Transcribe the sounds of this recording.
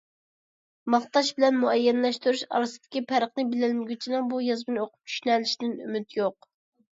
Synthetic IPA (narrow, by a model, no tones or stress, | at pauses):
mɑχt̪ɑʃbɪlɛnmuɛjːɛnlɛʃt̪yɾuʃɑ̰ɾɨsɨd̪̥ɪkʲipʰæɾəχnɨbɪlɪlmɪɡʲyt͡ʃʰinɨŋbujɑzbɨnɨoqʰʊ̥p̚t͡ʃʰy̥ʃynɛlɪʃid̪ɪny̰myt̪joq